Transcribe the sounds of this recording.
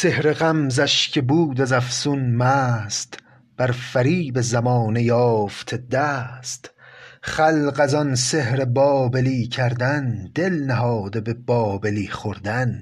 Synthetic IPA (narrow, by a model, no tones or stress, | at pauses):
se̞hɾe̞ɣæmzæʃcʰe̞buːd̪æzæfsunmæːst̪ | b̥æɾfæɾiːbezæmɒːnejɒːft̪ʰe̞d̪æːst̪χælɢæzɒnse̞hɾebɒːbeliːcʰæɾd̪ænd̪̥elnæɦɒːd̪ebe̞bɒːbeliːχoɾd̪æn